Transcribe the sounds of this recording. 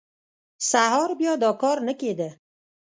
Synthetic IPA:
saɦɒɾbijɒd̪ɒkʰɒɾnɪkʲed̪ɪ

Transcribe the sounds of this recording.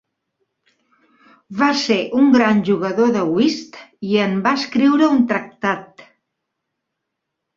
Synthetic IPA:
βaseʔuŋɡɾanʲʒuɣəðoðəwist̪iəmbaəskɾiwɾəunt̪ɾək̚t̪at̪

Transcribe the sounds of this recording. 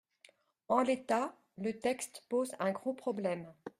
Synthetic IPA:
ɑ̃let̪a | lət̪ɛkst̪pozɛ̃ɡʁopχɔblɛm

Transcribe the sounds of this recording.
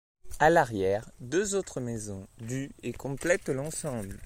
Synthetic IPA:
alaʁjɛʁd̪øzot̪χəmezɔ̃d̪yekɔ̃plɛt̪lɑ̃sɑ̃bl

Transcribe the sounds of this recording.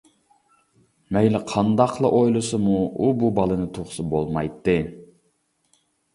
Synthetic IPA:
mɛjlɪqʰɑnd̪ɑqʰlˠɑʔojlˠɨsɨmuububɑlˠɨnɨt̪ʰuχsɨbolˠmɑjt̪ːɨ

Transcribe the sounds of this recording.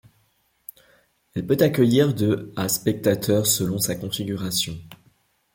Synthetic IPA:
ɛlpøt̪akʲəjiʁd̪øaspɛk̚t̪at̪ʰœʁsəlɔ̃sakɔ̃fiɡʲyʁasjɔ̃

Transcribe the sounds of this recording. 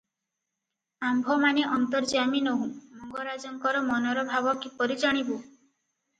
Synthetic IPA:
ambʱɔmaneʔɔnt̪ɔɾd͡ʒaminoɦũmɔŋɡɔɾad͡ʒɔŋkɔɾɔmɔnɔɾɔbʱabɔkipɔɾid͡ʒɔɽ̃ibu

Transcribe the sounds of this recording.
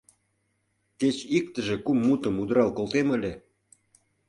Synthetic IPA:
ket͡ɕik̚t̪ə̆ʒĕkumːut̪əmud̪ɾɑlkolt̪emə̆lʲĕ

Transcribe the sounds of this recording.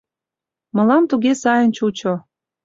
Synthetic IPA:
mə̆lɑmt̪uɣesɑjənt͡ɕut͡ɕo

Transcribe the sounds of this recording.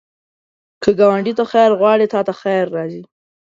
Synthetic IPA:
kʰəɡawaɳɖit̪axajɾɣwɑɽit̪ɑt̪axajɾːɑzi

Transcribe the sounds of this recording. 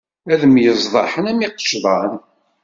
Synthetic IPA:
æðəmjəzˤðˤɑħənæmiqə̥ʃðˤɑn

